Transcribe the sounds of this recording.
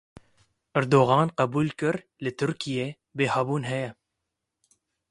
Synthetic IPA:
ʔæɾd̪oːɣɑːnqɑbuːlkɨɾ | lɨt̪ʰʊɾkijeː | beːhɐbuːnɦɛjɛ

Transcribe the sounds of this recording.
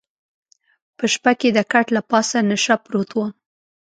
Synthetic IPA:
pəʃpaked̪əkaʈlapɑsanaʃapɾot̪wa

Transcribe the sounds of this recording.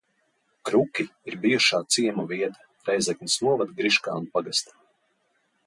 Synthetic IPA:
kɾukʲiːɾbijuʃaːt̪siɛmaviɛt̪ḁ | ɾɛjzɛknʲisnuɔvad̪ɡɾiʃka̰ːunpaɡast̪ḁ

